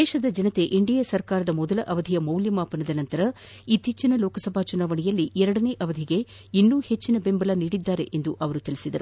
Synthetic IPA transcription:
ɛːʃɐd̪ɐd͡ʒɐnɐt̪e̞ʔiɳɖijɐsɐɾkaːɾɐd̪ɐmɔd̪ɐlɐʔɐʋɐd̪ʱijɐmɐwljɐmaːpɐnɐd̪ɐnɐnt̪ɐɾɐ | it̪ːiːt͡ʃːinɐlɔːkɐsɐbʱaːt͡ʃunaːʋɐɳijɐlːiɛɾɐɽɐneːʔɐʋɐd̪ʱiɡe̞ | inːuːhe̞t͡ʃːinɐbe̞mbɐlɐniːɽid̪ːaːɾe̞̰ʔend̪uʔɐʋɐɾut̪ilisid̪ɐɾu

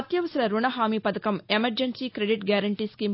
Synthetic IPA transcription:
t̪jɐʋɐsɐɾɐɾuɳɐɦaːmipɐd̪ɐkɐmemɐɾd͡ʒɐnsiːkɾeɖiʈɡjaːɾɐɳʈiːskiːm

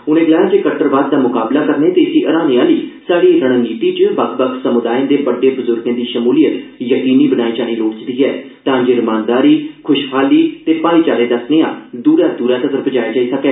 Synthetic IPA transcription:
ʊnẽːɡəlaːjad͡ʒeːkət̪əɾʋaːd̪̚ːaːmʊkaːblaːkəɾnẽːt̪eːɪsiːʔəɾãːneːaːliːsaːɽiːɾəɽ̃əniːt̪iːt͡ʃəʋəkbəksəmʊd̪aːjãːd̪eːbəɖeːbʊzʊɾɡãːd̪iːʃəmuːlijət̪jəkiːniːbənaːiːd͡ʒaːɽ̃iːloːɽt͡ʃd̪iːɦɛːt̪ãːd͡ʒeːɾɪmãːnd̪aːɾiːkʰʊʃhaːliːt̪eːpaːɾiːt͡ʃaːɾeːd̪əsneːã̰ːd̪uːɾaːd̪uːɾãːt̪ət̪əɾpʰəd͡ʒaːjaːd͡ʒaːisəkɛː

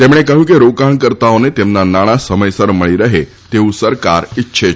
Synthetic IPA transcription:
t̪emɽ̃ekəɦũkeɾokaɳkəɾt̪aonet̪emnanaɽ̃asəməjsəɾməɭiɾəɦe | t̪eʋũsəɾkaɾitːʃʰe

